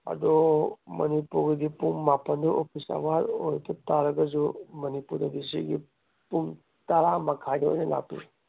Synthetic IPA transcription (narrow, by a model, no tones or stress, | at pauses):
ɐ̰d̪ɔmɐnipuɾɡɐɡipuŋːapɐnd̪uʔopʰisa̰baɾojt̪ɐt̪aɾɐɡɐzumɐnipuɾdɐdisḭɡi | puŋ | t̪ɐɾamakʰajdio̰jnɐla̰pḭ